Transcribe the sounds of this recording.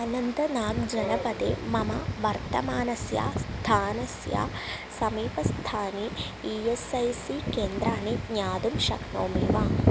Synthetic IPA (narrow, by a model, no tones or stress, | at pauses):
ɐnɐnd̪ɐnaːɡd͡ʒɐnɐpɐd̪ḛːmɐmɐʋɐɾt̪ɐmaːnɐsja̰ːst̪ʰaːnɐsja̰ː | sɐmiːpɐst̪ʰaːni | iːesɐjsikeːnd̪ɾaːninjaːd̪umʃɐ̰knoːmeːʋaː